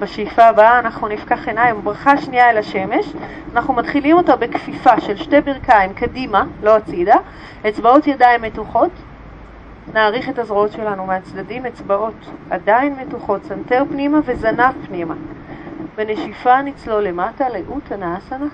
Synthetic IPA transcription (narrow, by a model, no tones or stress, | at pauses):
b̥aʃejfaːbaaːnaχnunifkaχenajmabʁaχaʃniaelaʃe̞me̞ʃ | anaχnumatχilimo̞tabe̞kfifaʃe̞lʃte̞biʁkaimkadimalo̞at͡sida | et͡sbao̞tjadaimːe̞tuχo̞t | naːʁiχe̞tazʁoo̞tʃe̞lanumeat͡sdadimet͡sbaʔo̞tadainmetuχo̞tsanteʁpnimave̞zanavpnima | bene̞ʃifanit͡slo̞le̞mataleʔutanaasana